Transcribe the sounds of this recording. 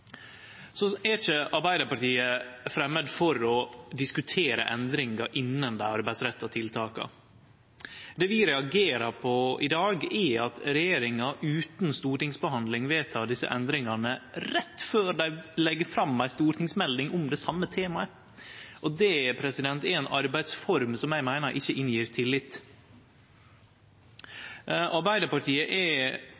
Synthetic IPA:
sɔɛt͡ʃəʔɑɾbæɪd̪əɾpɑʈiːəfɾɛmːəd̪fɔɾɔd̪ɪskʉt̪ʰeːɾə̰ʔɛ̰nd̪ɾɪŋɑɾʔɪnːənd̪æ̰ɑɾbɛsɾɛt̪ʰːɑt̪ʰɪlt̪ʰɑːkɑ̰ | d̪ɛːʋiːɾɛɑɡeːɾɑɾpʰɔɪd̪ɑːɡɛɑt̪ɾɛjeːɾɪŋɑʔʉːt̪nst̪uːɾʈɪŋsbəhɑnd̪lɪŋʋɛːt̪ʰɑːd̪ɪsə̰ʔɛnd̪ɾɪŋɑnəɾɛt̪ːføːɾd̪æɪlɛɡːəfɾɑmːæɪst̪uːɾt̪ʰɪŋsmɛld̪ɪŋʔʊmd̪ɛsɑmːət̪ʰeːmɑə | ʔɔd̪ɛːpʰɾɛsɪd̪ɛnt̪ɛɾɛːnɑɾbæɪd̪sfɔɾmsɔmjæɪmæɪnəɾʔɪçːəʔɪnjiːɾt̪ʰɪlːɪt̪ː | ʔɑɾbæɪd̪əpɑʈʰiːəʔɛ

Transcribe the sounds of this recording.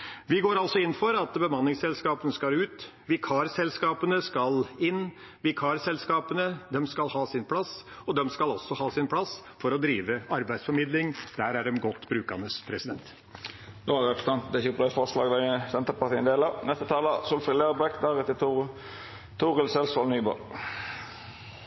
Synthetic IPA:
ʋɪɡoːɾɑlsɔɪnːfɔɾɑt̪bəmɑnːɪŋsɛlskɑːpənəskɑɾʉːt̪ | ʋɪkʰɑːɾsɛlskɑːpənəskɑlɪnː | ʋɪkʰɑɾsɛlskɑːpənəd̪ɛmskɑlhɑːsɪnpʰlɑsɔd̪ɛmskɑlɔsːɔhɑːsɪnpʰɽɑsfɔɾɔd̪ɾiːʋəɑɾbæɪsfɔɾmɪd̪lɪŋd̪̥æɾæɾɛnɡɔt̪ːbɾʉːkənəspʰɾɛsɪd̪ɛnt̪ | d̪ohɑɾɛp̪ɾə̥t̪ʰɑnt̪d̪ɛçɛpd̪ɛfɔslɑːɡd̪æsɛnt̪əpɑɾt̪ʰiːənd̪eːlɑnɛst̪ət̪ʰɑːləsʊlfɪleːɾbɛkd̪æɾɛt̪ːə | t̪ʰʊʁəlsɛlsʋɑlnyːbɔ̰l

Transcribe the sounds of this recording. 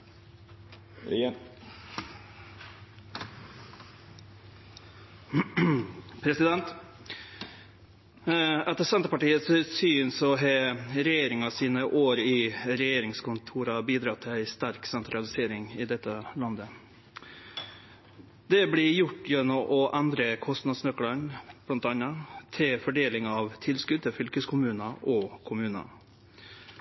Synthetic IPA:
pʰɾɛsɪd̪ɛnt̪ | æt̪ːəsɛnt̪əpɑʈiːəssyːnsɔɦeɾɛjeːɾɪŋɑsiːnəʔoːɾɪɾɛjeːɾɪŋskʰʊnt̪ʰuːɾɑbiːd̪ɾɑt̪ʰːɪlæɪst̪æɾksɛnt̪ʰɾɑlɪseːɾɪŋɪd̪ɛt̪ːəlɑnd̪ə | d̪ɛblɪjʊʈːjɛnːɔmʔɔʔænd̪ɾəkʰɔst̪nɑd̪snœklənb̥lɑnt̪ɑnɑt̪ʰɪlfɔɖeːlɪŋɑʋt̪ʰɪlskʉd̪̚t̪ɪfʏlkəskʰʊmʉːnɑʔɔkʰʊmʉːnɑ̰

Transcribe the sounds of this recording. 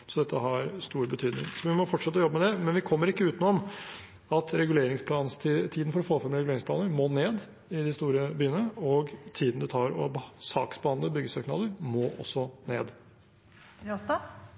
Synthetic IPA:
sɔd̪ɛt̪ːəɦɑɾst̪uːɾbət̪ʰyːd̪nɪ̰ŋsɔʋɪmɔfɔʈʂɛt̪ːəɔjɔbːəmɛd̪ɛmɛnʋɪkʰɔmːəɾɪkːəʉːt̪nʊɔm | ɑt̪ɾɛɡʉleːɾɪŋspʰlɑːnst̪ʰːt̪ʰiːd̪n̩fɔɾɔfoːfɛmɾɛɡʉleːɾɪŋsplɑ̰ːnəɾmoːneːd̪ | ɪd̪ɪst̪uːɾəbyːənəɔɡt̪ʰiːd̪n̩d̪ɛt̪ʰɑːɾɔbsɑ̰ːksbəhɑnd̪əbʏɡːəsøːknɑ̰ːd̪əɾmoːʔɔ̰sːɔnḛːd̪

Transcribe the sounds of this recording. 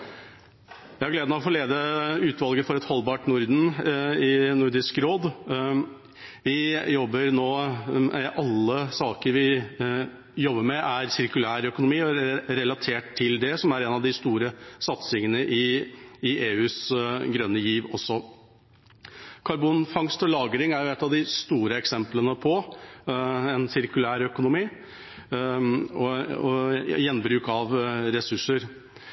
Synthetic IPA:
jæɪhɑɡleːd̪nəɔfoːleːd̪əʉːt̪ʋɑlɡəfɔɾɛt̪hɔlːbɑːʈnʊɾd̪n̩ɪnʊɾɖɪskɾoːd̪ | ʋɪjɔbːəɾnoːmɛʔɑlːəsɑːkəɾʋɪ | jɔbːəɾmɛʔæɾsɪɾkʉlæːɾœkʊnʊmiːɔɾɛlɑt̪ʰeːʈt̪ʰːɪld̪ɛsɔmæɾɛnɑʋd̪ɪst̪uːɾəsɑt̪sɪŋənəʔɪː | ʔeːʉːsɡɾœnːəjiːʋɔsːɔ | kʰɑɾbuːnfɑŋst̪ɔlɑːɡəɾɪŋæɾjʊɛt̪ːɑʋd̪ɪst̪uːɾəɛksɛmplənəpʰɔ | ɛnsɪɾkʉlæːɾœkʊnʊmiː | ɔɔjɛnːbɾʉːkɑʋɾɛsʉʂəɾ

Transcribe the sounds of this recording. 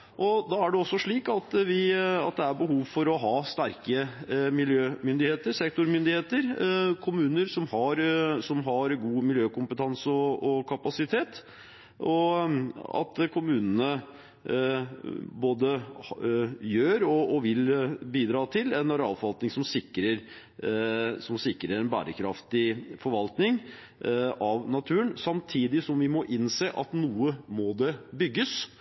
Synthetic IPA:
ʔɔd̪ɑːæɖɛɔsːɔʂɭiːkɑt̪ʋɪɑ̰t̪̚d̪ɛæɾbəɦuːʋfɔɾɔɦɑːst̪æɾkəmɪljøːmʏnd̪ɪheːt̪əɾsɛkt̪ʊɾmʏnd̪ɪheːt̪əɾkʰʊmʉːnəɾsɔmhɑɾsɔmɦɑɾɡuːmɪljøːkʊmpət̪ʰɑnsɔɔkʰɑpɑsɪt̪ʰeːt̪ | ɔ | ɑ̰t̪kʰʊmʉːnənə | boːd̪ə | jøːɾɔːʋɪlbiːd̪ɾɑːt̪ʰɪlɛnɑɾɑ̰lfɔʋɑlt̪nɪŋsɔmsɪkːɾəɾ | sɔmsɪkːɾəɾɛnbæ̰ːɾəkʰɾɑft̪ɪfɔɾʋɑlt̪nɪŋ | ʔɑʋnɑt̪ʰʉːənsɑmt̪ʰiːd̪ɪsɔmʋɪmɔʔɪnseːʔɑt̪nuːəmɔd̪ɛbʏɡːəs

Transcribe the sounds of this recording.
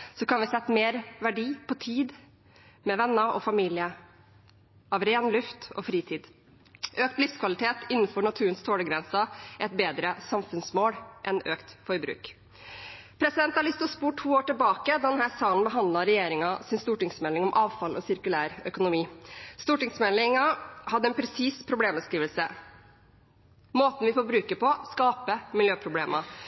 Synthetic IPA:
sɔkɑnʋɪsɛt̪ːmeːɾʋæɖiːpʰɔt̪ʰiːd̪ | mɛʋɛnːəʔɔ̰fɑmiːlɪə | ʔɑʋɾeːnlʉft̪ɔ̰fɾiːt̪ʰiːd̪ | ʔøːk̚t̪lɪfskʰʋɑlɪt̪ʰeːt̪ɪnːnfɔɳɑt̪ʰʉːənst̪ʰoːɽəɡɾɛnsɑɛt̪̚beːd̪ɾəsɑmfʉnsmoːlʔɛnøːkt̪fɔɾbɾʉ̰ːk | pʰɾɛsɪd̪ɛnt̪hɑɭɪst̪ʊspuːʈʰuːoːʈɪlbɑːkəd̪ɑːd̪ɛnhæːɾsɑːnbəɦɑnd̪lɑɾɛjeːɾɪŋɑsɪnst̪uːʈɪŋsmɛlɪŋɔmʔɑːʋfɑlʔɔsɪɾkʉlæːɾœkʊnʊmiːst̪uːʈɪŋsmɛlɪŋɑhɑd̪ːəɛnpʰɾɛsiːspʰɾʊbleːmbəskɾiːʋəlsə | moːt̪n̩ʋɪfoːɾbɾʉːkəpɔskɑːpəmɪljøːpʰɾʊbleːmɑ

